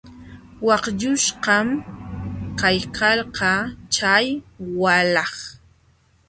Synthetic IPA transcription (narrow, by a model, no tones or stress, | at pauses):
wɑqʎʊʃqɑm | kajkʰalqɑt͡ʃajwalɑχ